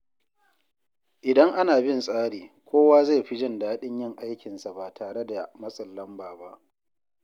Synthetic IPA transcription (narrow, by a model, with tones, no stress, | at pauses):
ʔɪ˨dɐ˦ŋʔa˦naː˨bɪ˦nsʼaː˦ɽiː˨kʷʰoː˦waː˦za˦˨jɸi˦d͡ʒɪ˦˨ndaː˦ɗɪ˦ɲjɪ˦˨ŋʔa˦jkʲɪ˨nsa˨ba˨tʰaː˨ɽe˦da˨mɐ˦sʼɐ˨lːɐ˦mbaː˨ba˦ʔ